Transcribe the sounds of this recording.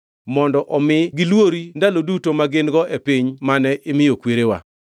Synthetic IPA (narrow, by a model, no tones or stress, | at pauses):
mɔndɔʔɔmɪɡɪlwoɾindalodutomaɡɪnɡɔʔepiɲmanɛʔɪmɪjokweɾewa̰